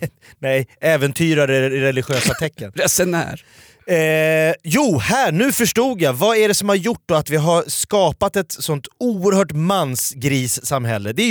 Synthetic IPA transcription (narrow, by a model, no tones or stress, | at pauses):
nɛjɛːvɛnt̪ʰyːɾaɾɛɾɛlɪɧøːsat̪ʰɛkːənɾɛsɛnæ̰ːɾ | juːhæːɳʉ̟ːfœʂʈuːɡjavaæɖɛsɔmhaɾjʊʈ̚ːd̪ɔat̪vɪɦaɾskɑːpat̪ɛt̪sɔnt̪uːəɾhœːʈmansɡɾiːsːamɦɛlːəd̪ɛ